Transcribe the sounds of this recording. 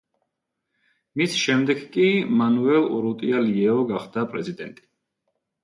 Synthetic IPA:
misʃɛmd̪ɛɡkʼimanuɛlˠɾut̪ʼialiɛɔɡaχd̪apʼɾɛ̰zid̪ɛnt̪ʼi̥

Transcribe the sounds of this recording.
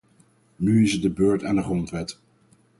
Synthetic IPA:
nyɪsədəbøːɹtɛndəχrɔntʋɛt

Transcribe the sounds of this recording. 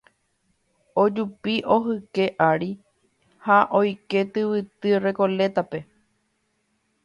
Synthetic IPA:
o̞d͡ʒupiʔo̞ɦɨke̞ʔaɾi | haʔo̞jke̞t̪ɨʋɨt̪ɨre̞ko̞le̞t̪ape̞

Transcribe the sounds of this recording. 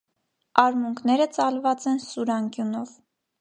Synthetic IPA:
ɑɾmuŋkʰnɛɾət͡sɑlvɑt͡sɛnsuɾɑŋkjunɔv

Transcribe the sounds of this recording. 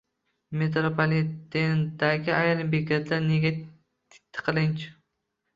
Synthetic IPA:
met̪ɾopʰolit̪end̪aɡʲɪajɾɪmbekʲat̪ʰlaɾneɡʲa | t̪ɪ̥t̪ʰːɪ̥qʰɨlɪnt͡ʃʰɪ̥

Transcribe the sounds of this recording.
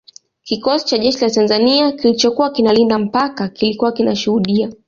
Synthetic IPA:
kikɔsi̥t͡ʃaʄɛʃilatanzaniakilit͡ʃɔkuwakinalindam̩pakakilikuwakinaʃuhuɗia

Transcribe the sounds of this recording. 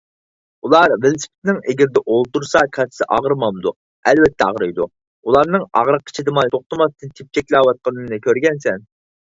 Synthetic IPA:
ulˠɑɾvɪlsɪ̥pʰɪ̥t̪nɪŋɪɡʲɪɾɪd̪ɛʔolˠt̪uɾsɑkʲʰɑt̪ʰsɪʔɑ̰ʁɾmɑmd̪u | ɛlvɛt̪ʰːɛɑ̰ʁɾɨjd̪u | ulˠɑɾnɨŋɑ̰ʁɾəqʰːə̥t͡ʃʰid̪ɨmɑnˠt̪ʰoχt̪ɨmɑst̪ʰɨnt̪ʰɪp̚t͡ʃʰɛkʲlɑːwɑt̪̚qɑnɨnɨkʲøɾɡʲɛnsɛn

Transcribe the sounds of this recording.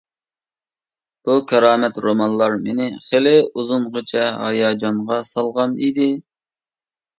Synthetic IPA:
b̥ukʲʰɑɾɑːmɛt̪ɾomɑnlˠɑɾmenɪχelɪuzʊnʁot͡ʃʰɛɦɑ̰jɑːd͡ʒɑɴʁɑsɑlˠʁɑnid̪ɪ

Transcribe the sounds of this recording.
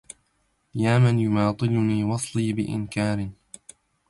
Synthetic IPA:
jaːmanjʊmɑːt̪ˤɨlʊniːwɑsˤliːbɪʔɪ̰nkaːɾɪ

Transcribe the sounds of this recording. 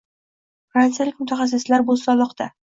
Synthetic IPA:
fɾant̪sijalɪkʲmʊt̪ʰaχɑs̬ɪslaɾbosɒlˠɒqt̪a

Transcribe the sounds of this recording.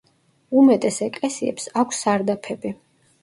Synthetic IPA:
umɛt̪ʼɛsɛkʼlɛsiɛ̰psakʷʰsːaɾd̪apʰɛbi

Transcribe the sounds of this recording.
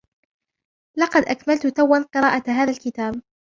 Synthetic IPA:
lɑqɑd̪ʔakmalt̪ʊt̪awːanqɨɾˤɑːʔaɦaːðalkɪt̪aːb̚

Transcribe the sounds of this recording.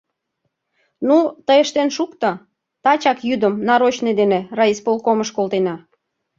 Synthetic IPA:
nut̪əjeʃt̪enʃukt̪ə̆ | t̪ɑt͡ɕɑkjyd̪əmnɑɾot͡ɕned̪enerɑispolˠkoməʃkolˠt̪enɑ

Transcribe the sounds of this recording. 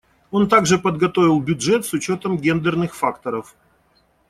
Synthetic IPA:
o̞nt̪aɡʐɨpəd̪ɡɐt̪o̞vʲɪlˠbʲʊdʐɛt̪sʊt͡ɕo̞t̪əmɡʲend̪ɨrnɨxfakt̪əɾəf

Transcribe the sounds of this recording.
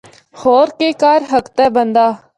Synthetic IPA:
hoːɾkeːkaːɾɦəkt̪ɛːbənd̪aː

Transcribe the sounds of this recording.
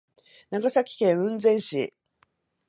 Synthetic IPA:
naɡasakʲi̥kẽ̞ɰ̃ɯ̟̃nd͡zẽ̞ɰ̃ɕḭ

